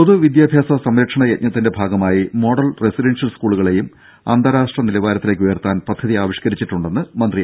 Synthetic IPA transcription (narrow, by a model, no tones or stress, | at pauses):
poðuʋid̪jaːbʱjaːsɐsɐmɾɐkʂɐɳɐeʔ̚ɲɐt̪ːinde̞bʱaːɡɐmaːjimo̞ːɽɐlresiɾensɐlskuːɭuɣɐɭe̞jum | ɐ̰nd̪ʱɐɾaːʂʈrɐnilɐʋaːɾɐt̪ːile̞k̬ːujɐrt̪ːaːnpɐd̪ʱɐðiaːʋiɕkɐɾit͡ɕːiʈːuɳɖe̞nːɨmɐnd̪ri